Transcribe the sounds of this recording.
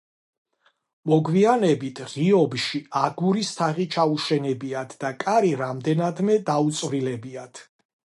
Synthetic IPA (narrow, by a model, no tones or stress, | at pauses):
mɔɡwianɛbit̪ʰʁiɔbʃiaɡuɾist̪ʰaʁit͡ʃʰauʃɛnɛbiat̪ʰd̪akʼaɾiɾamd̪ɛnad̪mɛd̪aut̪sʼvɾilɛbiat̪ʰ